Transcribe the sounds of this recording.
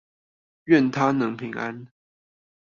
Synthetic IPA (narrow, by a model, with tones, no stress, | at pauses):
ɥɛ˥˨nt̪ʰa˥˦nɤ˧˥ŋpʰi˧˥ŋa̰˦n